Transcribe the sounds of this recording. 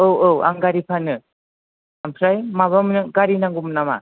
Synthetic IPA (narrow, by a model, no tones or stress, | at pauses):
owwa̰ŋɡaɾipʰanɯ | ampʰɾajmaβamnɯɡaɾinaŋɡumnama̰